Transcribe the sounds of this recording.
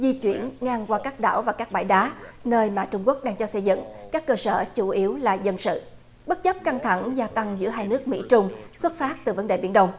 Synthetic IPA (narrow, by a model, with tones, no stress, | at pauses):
zi˧t͡ɕwi˧˩ənŋaː˧ŋkwaː˧kaː˦˥k̚ɗa̰ː˧˩wvaː˨˩kaː˦˥k̚ɓa̰ː˧˩jɗaː˨˦nəː˧jmaː˨˩t͡ɕʊ˧ŋ͡mku˦˥ək̚ɗaː˧ŋt͡ɕɔ˧sə˧jzɨ̰˧˨ŋkaː˦˥kːəː˧səː˧˩t͡ɕu˧˩ʔi˨˦əwlaː˨˩zə˧nsɨ̰˧˨ | ɓə˦˥t̚t͡ɕə˦˥p̚ka˧ŋt̪ʰa˧˩ŋzaː˧t̪a˧ŋzɨ̰˧˥əɦaː˧jnɨ˦˥ək̚mḭ˧˥t͡ɕʊ˧ŋ͡mswə˦˥t̚faː˦˥t̚t̪ɨ˨˩və˨˦nɗeː˨˩ɓi˧˥ənɗə˧wŋ͡m